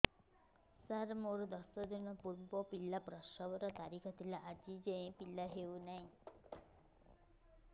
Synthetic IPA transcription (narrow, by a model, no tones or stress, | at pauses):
saɾmoɾd̪ɔsɔd̪ɔnɔpuɾbɔpilapɾɔʃɔbɔɾɔt̪aɾikʰɔt̪ʰilaʔːd͡ʒid͡ʒẽj̃pilaɦeunaɦĩ